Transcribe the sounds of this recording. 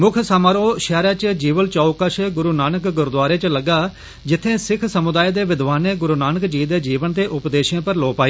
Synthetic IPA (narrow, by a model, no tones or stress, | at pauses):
mʊkʰsaːmaːɾoːʃɛːɾaːt͡ʃd͡ʒiːʋəlt͡ʃaːukəʃɡʊɾuːnaːnəkɡʊɾd̪waːɾeːt͡ʃləɡaː | d͡ʒɪt̪ʰːẽːsɪkʰsəmʊd̪aːed̪eːʋɪd̪ʋaːneːɡʊɾuːnaːnəkd͡ʒiːd̪eːd͡ʒiːʋənt̪eːʔʊpd̪eːʃjãːpəɾloːpaːiː